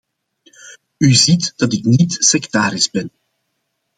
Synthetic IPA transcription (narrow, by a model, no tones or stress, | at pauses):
yzitd̥ɑtɪknitsɛktaːɾɪzbɛn